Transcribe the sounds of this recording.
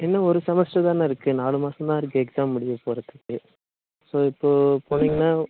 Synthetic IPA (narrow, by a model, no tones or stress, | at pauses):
ɛnːɐɔɾɯsɐmɐsʈɐt̪ãːnɐɪɾɯkːɯnaːlɯmaːsɐ̃t̪ãːɪɾɯk̬ːɯɛksaːmːʊɽɪjɐpoːɾɐðɯkːɯ | soːɪpːoːpoːniŋɡɐnːaː